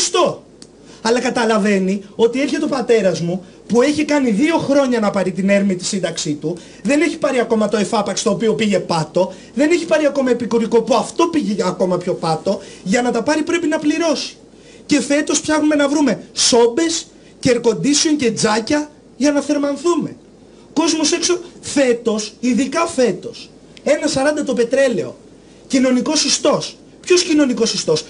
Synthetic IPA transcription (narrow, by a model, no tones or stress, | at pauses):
st̪o̞ | ɐlɐkɐt̪ɐlɐve̞nio̞t̪ie̞ɾçet̪eopɐt̪e̞ɾɐzmu | pue̞çikɐniðio̞xɾo̞ɲɐnɐpɐɾit̪ine̞ɾmit̪i̥sind̪ɐksit̪u | ðe̞ne̞çi̥pɐɾiɐko̞mɐt̪o̞efɐpɐkst̪oːpio̞piʝe̞pɐt̪o̞ | ðe̞ne̞çi̥pɐɾiɐko̞mɐepikuɾiko̞poɐft̪o̞piʝeɐko̞mɐpço̞pɐt̪o̞ʝɐnɐt̪ɐpɐɾipɾe̞pinɐpliɾo̞si̥ | ce̞fe̞t̪o̞spçɐxnume̞nɐvɾume̞so̞be̞s | ceːɾko̞nd̪iseoɲce̞d͡zɐcɐ | ʝɐnɐθe̞ɾmɐnθume̞ | ko̞zmose̞ksofe̞t̪o̞siðikɐfe̞t̪o̞s | e̞nɐsɐɾɐnd̪ɐt̪ope̞t̪ɾe̞le̞o̞̰ | cino̞niko̞sist̪o̞s | pço̞scino̞niko̞sist̪o̞s